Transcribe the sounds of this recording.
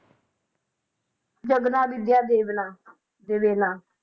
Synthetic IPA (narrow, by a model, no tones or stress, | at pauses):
d͡ʒəɡnãːbɪd̪ɪjaːd̪eːnaː | d̪eːʋeːnãː